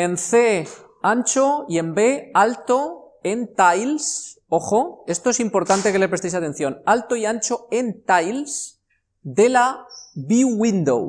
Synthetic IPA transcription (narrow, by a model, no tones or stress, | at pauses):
e̞nθe | anʲt͡ʃoie̞mbe̞alt̪o | ent̪ajls | o̞xoe̞st̪oesimpo̞ɾt̪ant̪e̞ke̞lepɾest̪ejsat̪e̞n̟θjo̞nalt̪o̞iant͡ʃo̞e̞nt̪ajls | d̪e̞laβiɣind̪o̰w